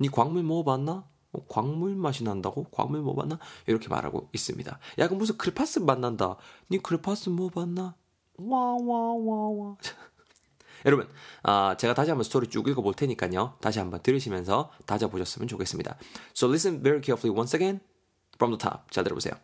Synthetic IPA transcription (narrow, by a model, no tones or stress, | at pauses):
ɲikwaŋmuɭmʌbanːa | okwaŋmuɭmaɕ̬ʰinɦandaɡokwa̰ŋmuɭmʌba̰nːaiɾʌkʰe̞ma̰ɾɦa̰ɡo̰is͈ɯ̰mɲḭda̰jaɡɯnbus̬ʰɯkʰɯɾipʰas͈ɯmanːanda̰ɲikʰɯɾipʰas͈ɯmʌbanːa | wawawawa | jʌɾʌbunat͡ɕe̞ɡataɕ̬ʰiɦambʌnsʰɯtʰoɾit͡ɕ͈uɡiɭɡʌboɭtʰe̞ɲik͈aɲotaɕ̬ʰiɦambʌntɯɾɯɕʰimjʌnsʰʌtad͡ʑaboɕʰʌs͈ɯmjʌnt͡ɕokʰe̞s͈ɯmɲḭd̥a̰solis̬ɯnveɾikʰefʰuliwʌnseɡen | fɾʌmdʰotʰa̰mt͡ɕaɭtɯɾbosʰḛjo̰